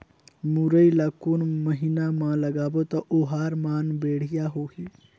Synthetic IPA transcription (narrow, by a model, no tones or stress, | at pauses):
muɾəilakunməɦinamãləɡaːbot̪ɔʔoɦaːɾmaːnbeːɽ̤ijaɦoɦi